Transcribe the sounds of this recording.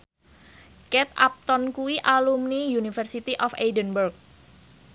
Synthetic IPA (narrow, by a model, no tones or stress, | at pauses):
kɛt̪a̰p̚t̪ɔnkuwiʔalumnijunifərsit̪iʔɔfejdənbərk̚